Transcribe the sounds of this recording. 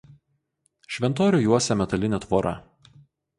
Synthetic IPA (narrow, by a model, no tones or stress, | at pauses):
ʃʲʋʲɛnt̪oːɾʲuːˑjuɔsʲɛmʲɛt̪ɐlʲɪnʲɛt̪ʋoːɾʔɐ̰